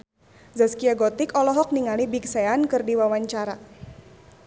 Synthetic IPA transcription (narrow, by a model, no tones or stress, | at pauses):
zaskiaɡɔt̪ɪkɔlɔɦɔk̚niŋalibiksɛankɨrdiwawaɲt͡ʃaɾa